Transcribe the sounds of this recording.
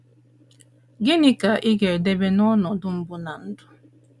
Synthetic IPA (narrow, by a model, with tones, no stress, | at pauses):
ɡɪ˦nɪ˦ka˨ʔɪ˦ɡe˨ɾde˦be˦nɔ˦nɔ˨dʊ˦m̩˦bʊ˦na˨n̩˦dʊ˦